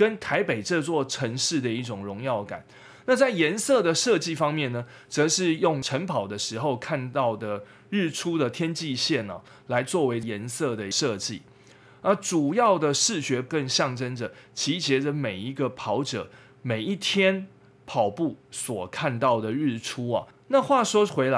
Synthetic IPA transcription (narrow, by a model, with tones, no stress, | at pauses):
kə˦nt̪ʰa˧˥ɪpe˨˩ɪʈ͡ʂɤ˥˧t͡swɔ˥˩ʈ͡ʂʰə˧˥ŋʂɻ̩˥˩d̪ə˩i˥˩ʈ͡ʂʊ˨˩ŋɻʊ˧˥ŋjɑ˥˩ʊka̰˨˩˦n | na˥˧t͡sa˥˩ɪjɛ˧˦nsɤ˥˨d̪ə˩ʂɤ˥˧t͡ɕi˥˨fɑ˥ŋmjɛ˥˨nːə˩ | t͡sɤ˧˦ʂɻ̩˥˧jʊ˥˩ŋʈ͡ʂʰə˧˦˥npʰɑ˨˩ʊd̪ə˦ʂɻ̩˧˥xo˥˧ʊkʰa˥˧nt̪ɑ˥˩ʊd̪ə˩ | ɻɻ̩˥˩ʈ͡ʂʰu˥d̪ə˨t̪ʰjɛ˥nt͡ɕi˥˧ɕjɛ˥˩nɐ̰˩ | la˧˦ɪt͡swɔ˥˩we˧˥ɪjɛ˧˥nsɤ˥˩d̪ə˩ʂɤ˥˧t͡ɕḭ˥˩ | na˥˩ʈ͡ʂu˨˩jɑ˥˩ʊd̪ə˩ʂɻ̩˥˩ɕɥɛ˧˥kə˥˧ŋɕjɑ˥˩ŋʈ͡ʂə˦nd͡ʒə˨t͡ɕʰi˧˥t͡ɕjɛ˧˥d͡zə˨me˨˩ɪi˧˥ɡə˨pʰɑ˧˥ʊʈ͡ʂɤ̰˨˩ | me˨˩ɪi˥˩t̪ʰjɛ˥n | pʰɑ˨˩ʊpu˥˩swɔ˨˩kʰa˥˧nt̪ɑ˥˩ʊd̪ə˩ɻ̩˥˩ʈ͡ʂʰu˦ɐ˨ | na˥˧xwa˥˨ʂwɔ˥xwe˧˥ɪla˧